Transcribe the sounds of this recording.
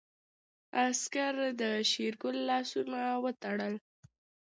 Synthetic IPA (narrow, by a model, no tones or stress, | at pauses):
askaɾd̪əʃiɾɡʊlːɑsunawət̪aɽəl